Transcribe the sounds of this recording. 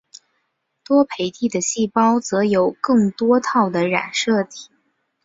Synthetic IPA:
t̪wɔ˥pʰe˨˧˩ɪt̪i˥˩d̪ə˩ɕi˥˩pɑ˥ʊt͡sɤ˧˥jo˨˩ʊkɤ˥˩ŋt̪wɔ˥t̪ʰɑ˥˩ʊd̪ə˩ɻa̰˨˩nʂɤ˥˩t̪ʰi̥˨˩˦

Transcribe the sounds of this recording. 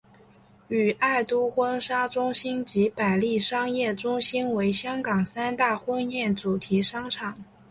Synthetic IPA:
y˨˩a˥˩ɪt̪u˥xwə˥nʂa˥ʈ͡ʂʊ˥ŋɕi˥nt͡ɕi˧˥pa˨˩ɪli˥˩ʂɑ˥ŋjɛ˥˩ʈ͡ʂʊ˥ŋɕi˥nwe˧˥ɪɕjɑ˥ŋkɑ˨˩ŋsa˥nt̪a˥˩xwə˥njɛ˥˩nt͡su˨˩t̪ʰi˧˥ʂɑ˥ŋʈ͡ʂʰɑ˨˩˦ŋ

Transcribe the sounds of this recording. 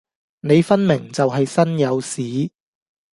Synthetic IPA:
ne˨˧jfɐ˥nmɪ˨˩ŋt͡sɐ˨wɦɐ˨jsɐ˥njɐ˨˧wsiː˨˥

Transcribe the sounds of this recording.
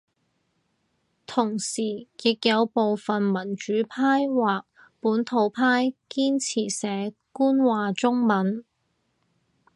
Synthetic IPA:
t̪ʰʊ˨˩ŋsiː˨˩jɪ˨k̚jɐ˨˧wpo˨wfɐ˨nmɐ˨˩nt͡ʃyː˨˥pʰaː˥jwaː˨k̚ | puː˨˥nt̪ʰo˨˧˥wpʰaː˥jkiː˥nt͡sʰiː˨˩sɛː˨˥kuː˥nwaː˨t͡sʊ˥ŋmɐ˨˥n

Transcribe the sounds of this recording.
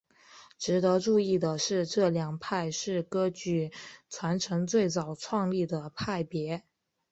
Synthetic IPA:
ʈ͡ʂɻ̩˧˥t̪ɤ˧˥ʈ͡ʂu˥˧i˥˩d̪ə˩ʂɻ̩˥˧ʈ͡ʂɤ˥˩ljɑ˨˩ŋpʰa˥˧ɪʂɻ̩˥˩kɤ˥t͡ɕy˥˩t͡sʰwa˧˥nʈ͡ʂʰɤ˧˥ŋt͡swe˥˩ɪt͡sɑ˨˩ʊʈ͡ʂʰwɑ˥˧ŋli˥˩d̪ə˩pʰa˥˩ɪpjɛ˧˥

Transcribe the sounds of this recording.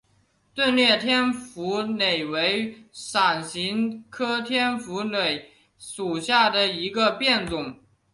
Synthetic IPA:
t̪wə˥˧nljɛ˥˩t̪ʰjɛ˥nfu˧˥ne˨˩ɪwe˧˥ɪʂa˨˩nɕi˧˥ŋkʰɤ˥t̪ʰjɛ˥nfu˧˥nwe˨˩ɪ | ʂu˨˩ɕja˥˩d̪ə˩i˧˥ɡə˧pjɛ˥˩nt͡sʊ˨˩˦ŋ

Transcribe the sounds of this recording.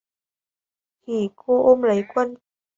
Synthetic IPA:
xʰi˧˨˩kʰo˧ʔo˧mlə˨˦jkwə˧n

